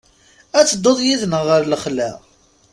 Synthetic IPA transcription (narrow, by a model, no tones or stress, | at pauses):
æt͡sːəd̪ːoðˤjiðnəʁːəɾləχlæ̰